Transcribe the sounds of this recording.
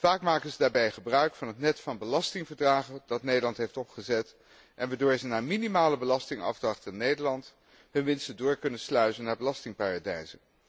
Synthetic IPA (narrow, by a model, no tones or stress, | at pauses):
faːkmaːkənzədaːɹbɛjχəbrœɥkfɑnɦətnɛtfɑnbəlɑstɪŋvəɹdraːχəndɑtnejdəlɑntɦejftɔpχəzɛt | ʔɛnʋaːɹdʊːɹzənaːɹminimaːləbəlɑstɪŋɑ̰vdrɑχtɪnːejdəɹlɑnt | ɦɵnʋɪnstədʊːɹkɵnənslœɥtənːaːɹbəlɑstɪŋpaːradɛjzən